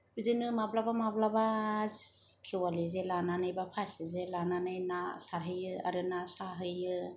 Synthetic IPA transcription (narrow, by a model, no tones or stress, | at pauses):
bidɯnɯmablabamablaba | kʰewalɯzelananajbapʰasizelananɯjnasaɾɦɯjɯa̰ɾɯnasaɦɯjɯ